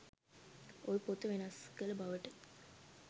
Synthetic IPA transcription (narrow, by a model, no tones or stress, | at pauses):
ojpot̪əʋenɐskələbaʋəʈə